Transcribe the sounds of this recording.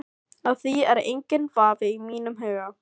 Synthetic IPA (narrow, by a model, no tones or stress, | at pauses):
aðθiɛɾejɲcɪnvaːvɪimiːnʏmɦœːɥɣa